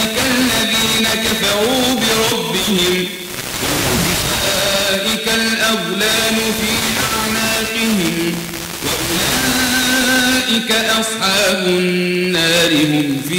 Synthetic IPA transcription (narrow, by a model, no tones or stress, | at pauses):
ɪkalːaðiːnakafɑɾuːbɪɾˤɑbːɪhɪm | waʊbaʔɪkalʔawlaːnʊfiːaʕnaːqɪhɪm | waʔʊlaa | ʔɪkaʔɑsˤħɑːbʊnnːaːɾɪhʊmfiː